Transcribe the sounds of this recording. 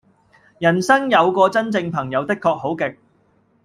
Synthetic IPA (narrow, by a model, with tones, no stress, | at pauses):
jɐ˨˩nsɐ˥ŋjɐ˨˧wkɔː˧t͡sɐ˥nt͡sɪ˧ŋpʰɐ˨˩ŋjɐ˨˧wt̪ɪ˥kʰːɔː˧k̚ho˨˥wkɪ˨k̚